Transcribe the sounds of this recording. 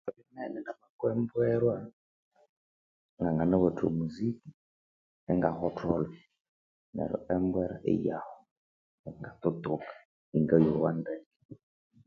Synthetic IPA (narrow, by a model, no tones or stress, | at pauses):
ɔβinɛnɛnamakwɛmbwɛɾwa | ŋɡaŋɡanɛβɔtʰṵmuziki | ɛŋɡahɔtʰɔlɔ | nɛ̰ɾɔ̰ʔɛmbwɛɾa̰ʔɪ̰jahɔ | ɛŋɡat̪ɔt̪okḁ | iŋɡɛjɔwandɛkɛ̥